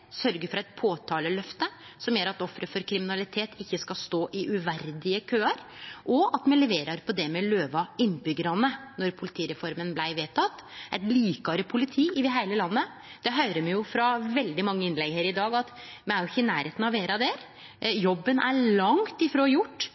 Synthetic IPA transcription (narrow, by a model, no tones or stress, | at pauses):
sœɾɡəfɔɾɛɪt̪̚pʰoːt̪ʰɑːləlœft̪ə | sɔmjøːɾɑt̪ɔfɾəfɔɾkʰɾɪmɪnɑlɪt̪ʰeːt̪ʰɪçːəskɑst̪oːʔɪʔʉʋæɾd̪ɪəkʰøːɑɾʔɔɑt̪mɛnlɛʋeːɾɑɾpʰɔd̪ɛmɛløːʋɑɪnːbʏɡəɾɑnənɔɾpʰʊlɪt̪ʰiːɾɛfɔɾmənblæɪʋeːt̪ʰɑt̪ːʔɛt̪liːkɑɾəpʰʊlɪt̪ʰiːɪd̪ɪɦæɪləlɑnːə | d̪̥ɛɦœʏɾəmɛjʊfɾɑʋɛld̪ɪmɑŋːəɪnlɛɡheːɾɪd̪ɑːɡɑt̪mɛæɾjʊɪçːəɪnæːɾheːt̪n̩ɑʋeːɾɑd̪ɛɾ | jɔbːənʔæ̰ɭɑŋt̪ɪfɾoːjʊʈː